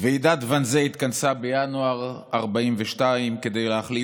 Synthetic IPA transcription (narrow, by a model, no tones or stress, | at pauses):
veid̪at̪vanzeit̪kansabejanuaʁaʁbaimveʃtaimke̞d̪e̞jleaχli